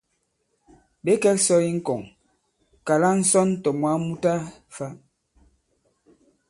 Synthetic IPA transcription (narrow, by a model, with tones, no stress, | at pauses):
be˦kɛ˦ksɔ˦i˦ŋ̩˦kɔ˨ŋ | ka˨la˦n̩˦sɔ˦n˦tɔ˨mwa˨˦mu˦ta˦fa˦